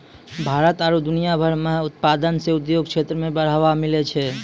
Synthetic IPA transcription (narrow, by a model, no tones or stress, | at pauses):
bʱaːɾət̪aɾud̪ʊnijabʱəɾmẽɦʊt̪̚paːd̪ənseʊd̪joːɡkʃeːt̪ɾəmẽbəɽ̤aːʋamɪlet͡ʃʰeː